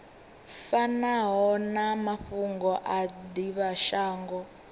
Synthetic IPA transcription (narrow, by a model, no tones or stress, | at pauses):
fanaɦɔnamaɸuŋɡɔʔadiβaʃaːŋɡɔ